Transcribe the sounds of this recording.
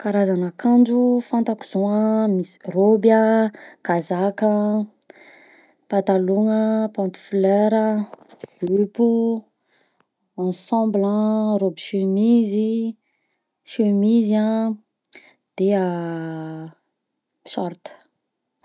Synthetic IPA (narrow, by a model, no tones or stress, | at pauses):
kaɾazanakãnd͡ʒufãnt̪aku̥z̥oamirobəɡ̥azakə | pat̪aloŋəpɔ̃nt̪u̥fleɾə | lupu | ɑ̃sɑ̃mblãrobiʃømizi | ʃømizã | d̪̥ea | miʃɔɾt̪ə̥